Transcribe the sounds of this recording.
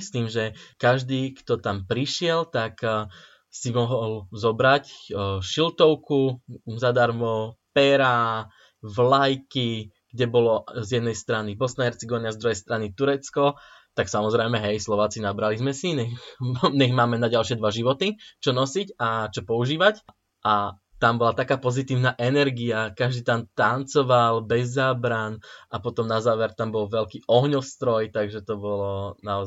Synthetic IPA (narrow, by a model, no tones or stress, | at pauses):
st̪iːmʒɛkaʒd̪iːkt̪ɔt̪ampɾiʃɪɛlt̪ak | simɔɦɔlzɔbɾacʃilt̪ɔʊkuzad̪aɾmɔpɛɾa | vlajki | ɡ̥ɟɛbɔlɔzjɛd̪nɛjst̪ɾanibɔsnaɦɛɾt͡siɡɔʋinɪazd̪ɾuɦɛjst̪ɾanit̪uɾɛt͡skɔt̪aksamɔzɾɛjmɛɦɛjslɔʋaːt͡sinabɾalizmɛsiɲɛxɲɛɣmaːmɛnaɟalʃɪɛd̪ʋaʒiʋɔt̪it͡ʃɔnɔsicat͡ʃɔpɔuʒiːʋac | ʔa | t̪ambɔlat̪akaːpɔzit̪iːʊnaːʔɛnɛɾɡiakaʒd̪iːt̪ant̪ant͡sɔʋalbɛzːaːbɾanapɔt̪ɔmnazaːʋɛɾt̪ambɔlʋɛlkiːʔɔɦɲɔfst̪ɾɔjt̪aɡʒɛt̪ɔbɔlɔnaɔ